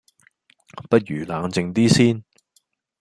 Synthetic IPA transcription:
pɐ˥t̚jyː˨˩laː˨˧ŋt͡sɪ˧ŋt̪iː˥siː˥n

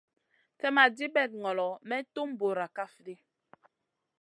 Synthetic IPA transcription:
tɛ˦ma˨di˦bɛ˦˨t̚ŋɔ˨lɔ˨mɛ˦to˦m˦bo˨ɾa˨ka˦fdi˦

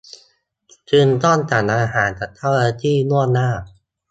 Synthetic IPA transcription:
t͡ɕɯː˧nt̪ɔː˥˩nt͡ɕa˨˩nʔaː˧ɦaː˩˦nt͡ɕa˨˩t̪ʰːa˥˩waː˧t̪ʰiː˥˩nu˥˩ənaː˥˩

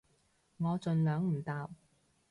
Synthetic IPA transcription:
ŋɔː˨˧t͡ʃɵ˨nlœː˨˥ŋm̩˨˩t̪aː˨˧w

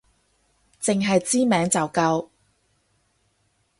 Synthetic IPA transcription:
t͡sɪ˨ŋɦɐ˨jt͡siː˥mɛː˨˥ŋt͡sɐ˨˩wkɐ˧w

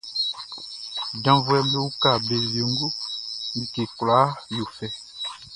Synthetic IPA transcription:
dã˦vu˦ɛ˦me˦wu˦ka˦˨be˨ze˨ŋ˦ɡo˦mĩ˨ke˨kla˨˦jo˨fɛ˦

